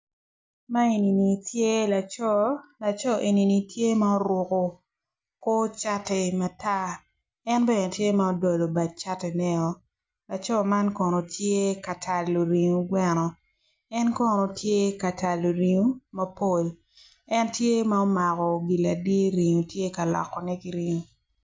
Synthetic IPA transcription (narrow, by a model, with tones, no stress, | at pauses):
ma˦e˨ni˨ni˨tʰje˦la˨t͡ʃɔ˦la˨t͡ʃɔ˦ʔe˨ni˨ni˨tje˦ma˦ɔ˦ɾʊ˨ko˨ | ko˦t͡ʃa˦tɛ˨ma˨ta˦ | ɛ˦nbɛ˦˨tje˦ma˦ɔ˦do˨lo˨ba˨t̚t͡ʃa˦tɛ˨nɛ˦ɔ˨ | la˨t͡ʃɔ˦ma˦nkɔ˨no˨tʰje˦ka˨tʰa˨lːo˨ɾi˨ŋu˨ɡwɛ˦nɔ˨ | ɛ˦nkɔ˦no˨tʰje˦ka˨ta˨lːo˨ɾi˨ŋo˦mɐ˦po˦˨l | ɛ˦ntje˦ma˦ɔ˦ma˨kɔ˨ɡi˨la˨dje˦ɾi˨ɲo˨tje˦ka˨lɔ̰˨kːɔ˨nɛ˦ki˨ɾi˦ŋo˨